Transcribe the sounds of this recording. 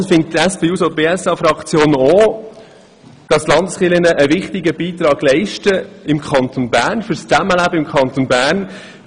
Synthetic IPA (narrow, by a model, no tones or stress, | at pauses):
fɪnt̚tæspeːuːsob̥eːɛsɑfɾɑkt͡sjoːnoː | d̥ɑslɑndəsχɪlənəʔəʋɪχtɪɡəbiːt̪ɾɑːɡ̥lɛɪʃtəɪmkʰχɑnt̪onbæːrnfʏɾst͡sæməlæbəɪmkʰχɑnt̪onbæːrn